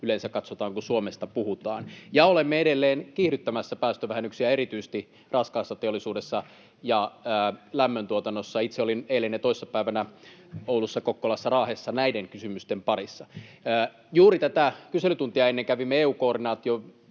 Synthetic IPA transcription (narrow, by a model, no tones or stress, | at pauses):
ylensækkɑt̪sot̪ɑːŋkusuomest̪ɑpuhut̪ɑːnjɑolemːeeɾelːeːnkiːhɾyt̪ːæmæsːæpæːst̪øʋæhenːyksiæeɾit̪yise̥st̪i | rɑskɑːsːɑt̪eolːisuːdesːɑ | jɑː | læmːønt̪uot̪ɑnːosːɑit̪seolinelːenːet̪oisːɑpæiʋænæoulːusːɑkokːolɑsːɑrɑːhesːɑnæideŋkysymyst̪empɑɾisːɑː | juːrit̪æt̪ækyselyt̪unt̪iɑenːeŋkæʋimːeeːuːkoːrdinɑːt̪io